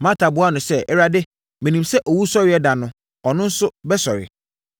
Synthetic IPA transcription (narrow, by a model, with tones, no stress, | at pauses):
mã˦tʰa˨bʊ˦a˦nʊ̃˨sɛ˦˨ʔɛ˦ɾa˦dɪ˦ | mĩ˨nĩ˨msɛ˦ʔɔ˨wu˦sɔ˦ɾɪ˨˦ɛ˦da˨nʊ̃˦ | ɔ˨nʊ̃˦n̩˦sʊ˦bɛ˦sɔ˨ɾɪ̰˨